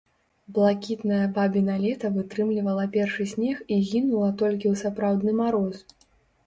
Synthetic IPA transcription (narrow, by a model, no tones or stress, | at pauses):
blˠakʲit̪nɐjɐbabʲinalʲɛt̪ɐvɨt̪ɾɨmlʲivɐlˠɐpʲɛrʂɨsʲnʲɛxiɣʲinulˠɐt̪ɔlʲk̬ʲiwsapɾawd̪nɨmaɾɔs